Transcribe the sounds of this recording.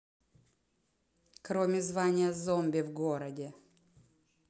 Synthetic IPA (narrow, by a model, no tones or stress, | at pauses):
kɾomʲɪzvanʲɪjəzombʲɪvɡoɾədʲɪ